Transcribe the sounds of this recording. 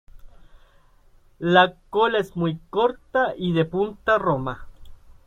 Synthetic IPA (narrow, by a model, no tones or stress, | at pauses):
lakolaesmujkoɾt̪aʔiðepunt̪aroma